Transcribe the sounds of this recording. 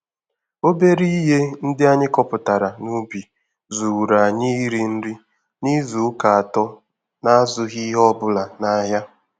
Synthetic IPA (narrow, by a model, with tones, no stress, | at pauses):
o˦be˦ɾi˦i˦ɦe˦n̩˦dɪ˦a˦ɲɪ˦kɔ˦pʊ˨ta˨ɾa˨nu˦bi˨ | zu˨wu˨ɾa˨ɲɪ˦ɾi˨n̩˦ɾi˦ | ni˦zu˨˦ka˨a˨tɔ˦ | na˦zʊ˦ɦi˦ɦɔ˦bʊ˦la˨na˨˦ɦja˦